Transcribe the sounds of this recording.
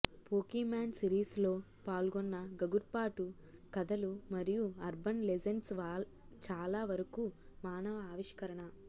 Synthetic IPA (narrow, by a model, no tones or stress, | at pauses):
poːkimaːnsiɾiːslo̞ː | paːlɡɔnːɐɡɐɡuɾpaːʈu | kɐd̪ɐlumɐɾijuɐɾbɐnled͡ʒɐnsʋaː | t͡ʃaːlaːʋɐɾɐkumaːnɐʋɐaːʋiʂkɐɾɐɳɐ